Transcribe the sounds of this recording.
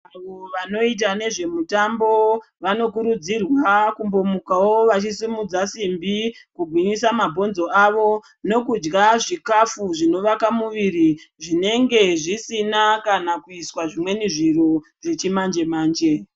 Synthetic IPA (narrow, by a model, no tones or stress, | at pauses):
aʋoʋano̞it̬ane̞ʐe̞mutambo̞ | ʋano̞kuɾud͡zirwakumbo̞mukawo̞ʋat͡ʃisimud͡zasimbikuɡʱwiɲisamabʱo̞nzo̞ʔaʋo̞ | no̞kud͡ʒɡaʐikafuʐino̞ʋakamuʋiɾiʐine̞ŋɡe̞ʐisinakanakuiswaʐimwe̞niʐiɾo̞ | ʐe̞t͡ʃimand͡ʒe̞maːnd͡ʒe̞